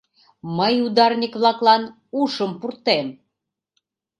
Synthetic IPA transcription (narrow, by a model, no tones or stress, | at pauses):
məjud̪ɑrnʲikβlɑklɑn | uʃəmpurt̪em